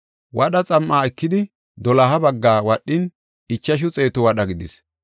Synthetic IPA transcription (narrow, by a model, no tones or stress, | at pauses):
wʔɐɗɐt͡sʼɐmːaːɛkːɪd̪ɪ | d̪ɔlɐɦɐbɐɡːaːwɐɗːɪn | ɪt͡ʃːɐʃ̬ʊt͡sʼe̞ːt̪ʊwɐɗɐɡɪd̪ɪs